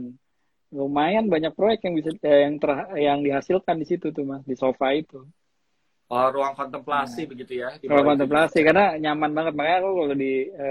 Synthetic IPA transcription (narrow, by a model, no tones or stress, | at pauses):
ɡomajanbaɲak̚pɾojɛkt̪jaŋbisajaŋt̪ərɦjaŋdiɦasilkandisit̪ut̪umasdisofait̪u | ɔruaŋkɔnt̪əmplasibəɡit̪ujaiɾuwaŋkɔnt̪əmplasikarnaɲamanbaŋət̪̚makajakukalodiə